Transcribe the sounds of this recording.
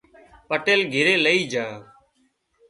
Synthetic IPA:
pəʈeːlɡʱɪɾeːləiːd͡ʒãː

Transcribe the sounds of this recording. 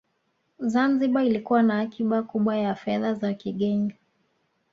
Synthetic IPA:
zanziɓailikuwanaːkʰiɓakuɓwajafɛðazakiɠɛŋɡa

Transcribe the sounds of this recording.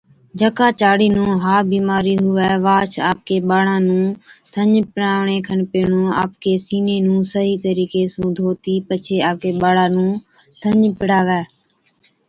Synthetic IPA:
d͡ʒəkaːt͡ʃaːɽiːnũːɦaːbiːmaːɾiːɦʊʋɛːʋaːt͡ʃʰa̰ːp̚keːɓaːɽãːnũːt̪ʰəɲpɪɽaːʋɳeːkʰənpeːɳõːa̰ːp̚keːsiːneːnũːsəɦiːt̪əɾiːkeːsũːd̪ʱoːt̪iːpət͡ʃʰeːaːp̚keːɓaːɽaːnũː | t̪ʰəɲpɪɽaːʋɛː

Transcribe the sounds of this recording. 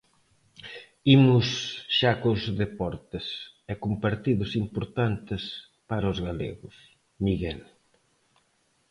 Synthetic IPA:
imʊsʃakʊzðepɔɾt̪ɪsɛkumpaɾt̪iðʊsimpoɾt̪ant̪ɪs | paɾɐozɣalḛɣʊs | miɣɛl

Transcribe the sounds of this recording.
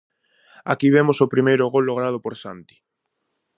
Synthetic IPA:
akiβemosopɾimejɾoɣolːoɣɾað̞opoɾsant̪i̥

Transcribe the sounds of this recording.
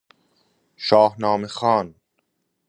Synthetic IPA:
ʃɒːhnɒːmexɑːn

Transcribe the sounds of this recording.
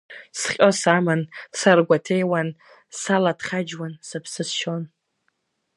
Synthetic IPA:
sχʲʼosamansarɡʷatʰejwan | saladʰχad͡ʒwansɨpʰsɨsʃon

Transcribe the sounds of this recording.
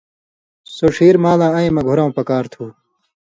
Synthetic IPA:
soʂiːɾmaːlãːɐĩmɐɡʱuɾãũpɐkaːɾt̪ʰuː

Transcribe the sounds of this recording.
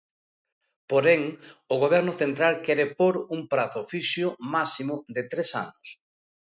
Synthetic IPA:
poɾɛŋʊɣ̞oβ̞ɛɾnʊθent̪ɾalkɛɾepoɾuŋpɾaθʊfiʃjʊmasimʊd̪ɪt̪ɾesa̰nʊs

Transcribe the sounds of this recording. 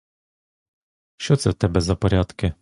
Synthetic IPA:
ʃɔt̪sɛwt̪ɛbɛzapɔɾʲat̪kʲɪ

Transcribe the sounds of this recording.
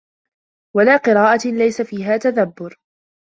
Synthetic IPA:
walaːqɨɾaːʔalajsafiːɦaːt̪aðabːʊɾ

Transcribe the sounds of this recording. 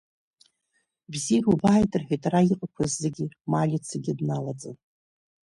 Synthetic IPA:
bzirubaːjtʼɨrħʷᶣijtʼaraiqʼakʷʰazːɨɡʲimalʲit͡sʰaɡʲiadnalad͡zʼɨn

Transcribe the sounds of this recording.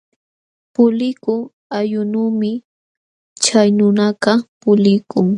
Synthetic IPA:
pʊlɪkʊŋ | ajʊnuːmɪ | t͡ʃajnʊnaɢɑpʊlɪkʊŋ

